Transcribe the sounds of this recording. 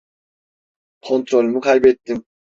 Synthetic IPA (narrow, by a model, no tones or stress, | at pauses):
kʰont̪ʰɾolmukʰajbet̪ːim